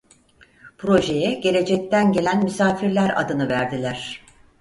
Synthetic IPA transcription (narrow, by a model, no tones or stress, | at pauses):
pʰɾo̞ʒe̞jɛɟe̞ɾe̞d͡ʒɛc̚t̪ʰænɟe̞lʲænmysaːfiɾlʲæɾa̰d̪ɯnɯvæɾd̪ilʲæɾ̥